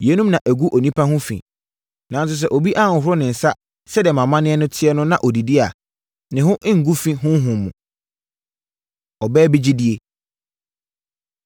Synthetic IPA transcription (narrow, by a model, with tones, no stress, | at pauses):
je˨˦nũ˦mnã˨ʔæ˨ɡu˦ʔo˨nĩ˦pʰa˦ɦʊ̃˦fḭ̃˨ | nã˨n˦s̬ʊ˦s̬ɛ˦ʔo˨bi˦ʔa˦˨hʊ̃˨ɦʊ˦ɾɔ˦nɪ̃˨n̩˨sa˦ | sɛ˦dɛ˨mã˨mã˦nɪ̃˦ɛ˦nʊ̃˦tʰɪ˦ɛ˦nʊ̃˦nã˨ʔɔ˨di˨di˦a˨ | nɪ̃˨ɦʊ̃˦ʔɪ̃˦ŋ̩˨ɡu˦fĩ˦ɦʊ̃˦ɦʊ̃˨mũ˨ | ɔ˨bɛː˦bi˦d͡ʑi˦di˨e˨